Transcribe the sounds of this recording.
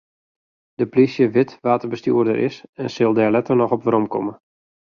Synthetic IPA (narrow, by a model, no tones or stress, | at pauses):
d̥əplisjəʋɪtʋaːtərbəstjuərdə̰ɾʔɪ̰sɛnsɪlˠdɛrlɛtərnɔxɔpʋəɾɔmkɔmə